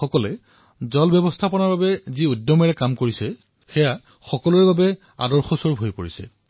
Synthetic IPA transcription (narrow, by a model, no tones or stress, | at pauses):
xɔkɔlɛ | zɔlbjɔbɔstʰapɔnaɹbabɛziudːɔmɛɹɛkamkoɹisɛ | xɛja | xɔkɔlɔɹbabɛ | a̰dɔɹxɔsɔɹbʱojpoɹisɛ̰